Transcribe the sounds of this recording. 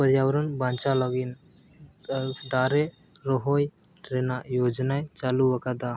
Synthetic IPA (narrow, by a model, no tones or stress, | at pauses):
pəɾjaːwəɾənbãːnt͡ʃaləɡin | d̪aːɾe | ɾoɦoj | ɾenajoːd͡ʒnajt͡ʃaːluʋɐkad̪a